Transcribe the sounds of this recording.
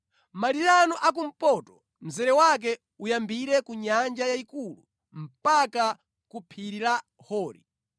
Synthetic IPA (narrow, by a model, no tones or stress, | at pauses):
maɾiɾanɔʔak̬um̩pɔtɔ | m̩zɛɾɛwak̬ɛ | ujambiɾɛkuɲand͡ʒajaikulṵ | m̩paka | kupʰiɾiɾa | hɔːɾḭ